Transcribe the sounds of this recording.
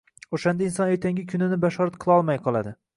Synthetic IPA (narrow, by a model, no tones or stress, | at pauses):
oʃand̪aɪnsɒne̞ɾt̪ʰaŋɡʲɪkʲʰʊnɪnɪbaʃɒɾat̪̚qʰɨlˠɒlˠmajqʰɒlˠad̪ɪ